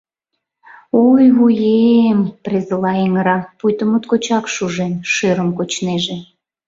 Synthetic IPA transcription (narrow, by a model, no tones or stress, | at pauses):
ujβujemprezəlɑeŋəɾɑpujt̪əmut̪kot͡ɕɑkʃuʒenʃeɾəmkot͡ɕneʒe